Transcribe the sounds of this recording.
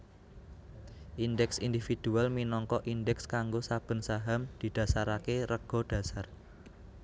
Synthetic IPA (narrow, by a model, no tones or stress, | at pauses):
ʔindɛksind̪ifid̪̥ṳalminɔŋkɔʔindɛkskaŋɡosab̥ə̤nsaɦamd̪̥i̤d̪̥ä̤saɾakeɾəɡ̥ɔ̤d̪̥ä̤sar